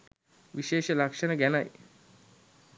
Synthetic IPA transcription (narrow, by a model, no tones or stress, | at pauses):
ʋiʃeːʃəlakʂənəɡænaj